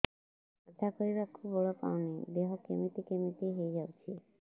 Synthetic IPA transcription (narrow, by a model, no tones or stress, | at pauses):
ət̪ʰakɔɾibakʰubɔɭɔpa̰wnid̪eɦɔkemit̪ikemit̪iɦejd͡ʒawt͡ʃʰi